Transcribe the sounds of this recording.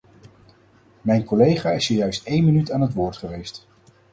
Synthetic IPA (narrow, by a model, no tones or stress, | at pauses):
mɛjnkɔlejχaːɪsiːɹjœɥstejnmənytaːnɦətʋʊːɹtχəʋejst